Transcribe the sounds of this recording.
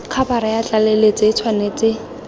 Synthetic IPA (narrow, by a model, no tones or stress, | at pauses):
kʰapaɾajat͡ɬʼalelet͡sʼɪit͡sʰwanet͡sʼɪ